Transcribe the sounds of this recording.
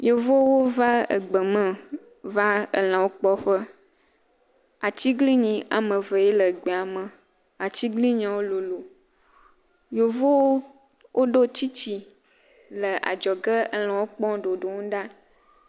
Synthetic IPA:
jo˨vo˦wo˦va˦ə̰˨ɡ͡bə˨mə̃˨ | va˦ə̰˨l̃ã˨wo˦k͡pɔ˦ɸə˦ | a˨t͡ɕi˦ɡli˦ɲĩ˨ʔa̰˨mə̃˨və˨je˦lə˨ɡ͡be˨a˨mə˨ | a˨t͡ɕi˦ɡli˦ɲã˨wo˦lo˨lo˨ | jo˨vo˦w | wʔo˦ɖo˦t͡ɕi˦t͡ɕi˨ | lə˨ʔa̰˨d͡ʒɔ˨ɡə˦ə˨l̃ã˨wo˦k͡pɔ̃˦ɖo˨ɖo˨ŋũ˦ɖa˦

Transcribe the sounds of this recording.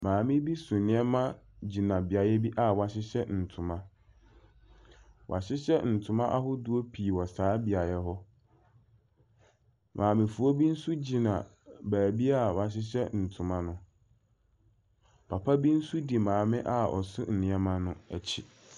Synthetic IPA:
mãː˨mɪ̃˦bi˦sʊ̃˨nɪ̃˦ɛ˦mã˦ | d͡ʑi˨nã˨bi˨a˨jɛ˦bi˦ʔa˨wa˨ɕɪ˦ɕɛ˦n̩˨tʰʊ̃˨mã˦ | wʔa̰˨ɕɪ˦ɕɛ˦n̩˨tʰʊ̃˨˦mã˦ʔa̰˦hʊ˦du˦o˦pʰi˨wɔ˨saː˨˦bi˨a˨jɛ˦ɦɔ˦ | mʔãː˨mɪ̃˨fu˨o˦bi˦n̩˦su˦d͡ʑi˨nã̰˨ | bæː˨bi˦a˦˨wa˨ɕ̬ɪ˦ɕɛ̰˦n̩˨tʰʊ̃˨mã˦nʊ̃˦ | pʰa˨pʰa˦bi˦n̩˦su˦di˨mãː˨mɪ̃˦ʔa˨ɔ̰˨sʊ̰˦n̩˨nɪ̃˨˦ɛ˦mã˦nʊ̃˦æ˨t͡ɕʰi˨

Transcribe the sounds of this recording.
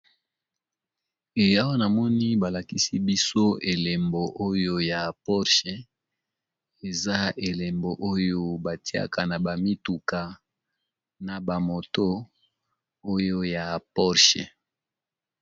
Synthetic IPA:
e˨ja˦wo˦na˨mɔ˦ni˦ba˨la˨ki˦si˦bi˦so˦e˨le˨mbo˨ʔo˦jo˦ja˨pɔ˦ʁʃe˨ | e˨za˦e˨le˨mbo˨ʔo˦jo˦ba˨ti˦a̰˦ka˨na˨ba˨mi˦tu˨ka˨ | na˨ba˨mo˨to˦ | o˦jo˦ja˨pɔ˦ʁʃḛ˨

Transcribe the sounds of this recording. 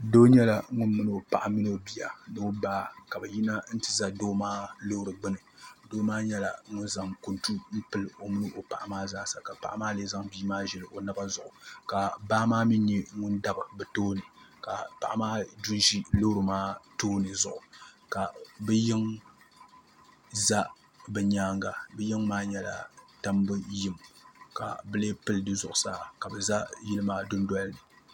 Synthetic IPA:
doː˦ɲɛ˦la˨˦ŋʊ˦nmɨ˦nɨ˦˨o˨pa˨ʔa˨mi˦no˦bi˨ja̰˨no˦baː˦ka˨bɛ˨ji˦na˦n̩˦tɨ˨za˦doː˦maː˦lo˦hɾɨ˨ɡ͡bɨ˦nɨ˨doː˦maː˦ɲɛ˦la̰˨ŋʊ˦nza˨ŋku˨ntu˦m̩˦pɨ˨lɨ˨o˨mɨ˦nɨ˦ʔo˨pa˨ʔa˨maː˦zaː˦sa˨ka˨pa̰˨ʔa˦maː˦leː˦za˦ŋbiː˦maː˦ʒɛ˨lɨ˨ʔo˨na˦ba˦zʊ˨ʔʊ˨ka˨baː˦maː˦mi˦ɲɛ˦ŋʊ˦nda˦bɨ˨bɛ˨toː˦nɨ˨ka˨pa˨ʔa˨maː˦dʊ˦nʒi˦lo˦ɾɨ˨maː˦toː˦nɨ˨zʊ˨ʔʊ˨ka˨bɛ˦jɪ˦ŋ | za˦ | bɛ˨ɲaː˦ŋɡa˨bɛ˦jɪ˦ŋmaː˦ɲɛ˦la̰˨ta˦mbɨ˦jɪ˦mka̰˨bɨ˦le˦pɨ˦ldɨ˦zʊ˨ʔʊ˨saː˦ka˨bɨ˨za˦jɪ˦lɨ˦maː˦dʊ˦ndɔ˦lnɨ˨

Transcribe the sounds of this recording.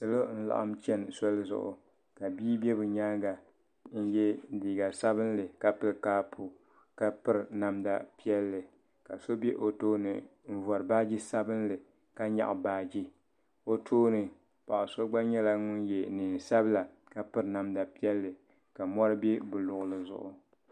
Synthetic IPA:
sɨ˨lo˦n̩˦la̰˨ʔa̰˦mt͡ʃɛ˦nso˦lzʊ̰˦ʔʊ̰˨ | ka˨biː˦bɛ˦bɨ˨ɲaː˦ɡa˨ | n̩˦jɛ˦diː˨ɡa˨sa˦βɨ˦n˦lɨ˨ka˨pɨ˨ɾkaː˦pʰu˨ | ka˦pɨ˦ɾna˦mda˨pi˦ɛ˦lːɨ˨ | ka˨so˦bɛ˦ʔo˨toː˦nɨ̰˨ɱ̩˦vɔ˨ɾɨ˨baː˦d͡ʒi˦sa˦bɨ˦nlɨ˨ | ka˦ɲa̰˨ʔbaː˨d͡ʒi˦ | o˦tʰoː˦nɨ˨ | pa˨ʔʊ˨so˦ɡ͡ba˦ɲɛ˦la˦ŋʊ˦njɛ˨nɨ˨n˨sa˦bɨ˦la˨ | ka˨pɨ˦ɾna˨mda˨pi˦ɛ˦lːɨ˨ | ka˨mɔ˦ɾɨ˦bɛ˦bɨ˨lʊ˨ɣʊ˨lɨ˨zʊ̰˨ʔʊ̰˨

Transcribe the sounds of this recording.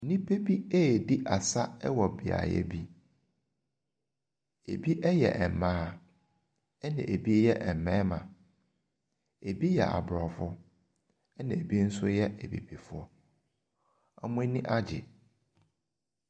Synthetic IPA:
nĩ˦pʰe˦bi˦e˦˨di˦ʔa˨sa˦ɛ˦wɔ˨bi˨a̰˨jɛ̰˦bi˦ | ḛ˨bi˦ʔɛ˦jɛ̰˨ʔɛ˨m̩˨mãː˦ | ɛ˦nã̰˨ʔe˨bi˦jɛ˦ʔɛ˨m̩˨mɛ̃˦mã̰˨ | e˨bi˦jɛ̰˨ʔa̰˨bɾɔ˨fʊ˦ | ɛ˦nã˨e˨bi˦n̩˦sʊ˦jɛ˦ʔɛ˨bḭ˨bi˨fʊ˦ɔ˦ | a̰˦mʊ̃˦nĩ˦ʔa˦d͡ʑɪ̰˨

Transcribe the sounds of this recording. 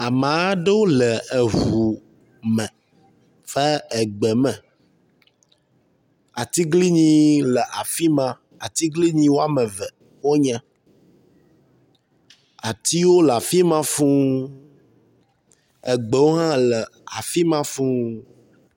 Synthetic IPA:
a˨mã˨˦ɖe˦wo˦lɛ˨ɛ˨ɦu˨ | mɛ̃˨ | fɛ˦ɛ˨ɡ͡bɛ˨mɛ̃˨ | a˨t̪i˦ɡli˦ɲĩ˦lɛ˨ʔa˨fi˦mã˦ | a˨t̪i˦ɡli˦ɲĩ˦wo˦a˦˨mɛ̃˨vɛ˨ | wo˦ɲɛ̃˦ | a˨t̪i˦wo˦la˨fi˦mã˦fũ˦ | ɛ˨ɡ͡bɛ˨wo˦ɦã˦lɛ˨a˨fi˦mã˦fũ˦

